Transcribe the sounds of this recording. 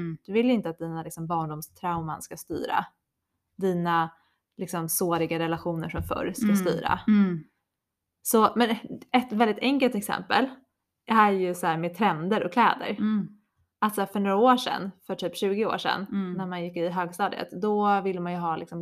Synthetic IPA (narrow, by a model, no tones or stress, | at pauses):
d̪̥ɵvɪlːɪnt̪əat̪̚d̪iːnalɪksɔmbɑːɳɖʊmst̪ʰɾaʊma̰nskast̪y̰ːɾa̰ | d̪iːna | lɪksɔmsoːɾɪɡaɾɛlaɧuːnəɾʂɔmfœ̰ɾskast̪y̰ːɾa̰ | sɔmɛnɛt̪vɛld̪ɪt̪ʰɛŋkəlt̪ɛksɛ̰mpə̰l | æɾjɵsɔæːɾmeːt̪ʰɾɛnd̪əɾɔkʰlɛ̰ːd̪ə̰ɾ | ʔat̪sæːfœɳoːɾaoːʂɛ̰nːfœʈʰyːpɕʉ̟ːɡɪo̰ːʂɛ̰nːæɾmanjɪkːɪɦøːɡst̪ɑːd̪ə̰t̪d̪ɔvɪlːəmanjɵɦɑːlɪksɔm